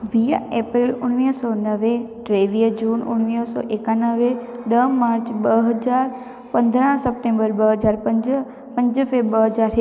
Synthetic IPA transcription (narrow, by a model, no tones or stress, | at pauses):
ʋijeːpɾilʊɽ̃ʋisɔnəʋe | ɖɾeʋijəd͡ʒuːnʊ̰ɽ̃ʋisɔ̰ʔekanəʋeɗəmːaːɾt͡ʃɓəɦəd͡ʒaɾ | pə̃nd̪ɾ̃səp̚ʈẽmbəɾbəɦəd͡ʒaːɾpəd͡ʒ | pə̃ɲd͡ʒəfeɓəɦəd͡ʒaɾɦ